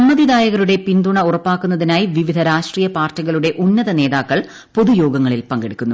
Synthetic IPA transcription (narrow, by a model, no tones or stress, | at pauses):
ɐmːɐðid̪aːjɐɣɐɾuɽe̞pind̪uɳɐurɐpːaːkːunːɐðinaːjiʋiʋid̪ʱɐɾaːʂʈriːjɐpaːrtːɐɣɐɭuɽe̞ʔunːɐðɐne̞ːðaːkːɐɭ | po̞ðujo̞ːɡɐŋːɐɭilpɐŋɡeɽikʲːunːu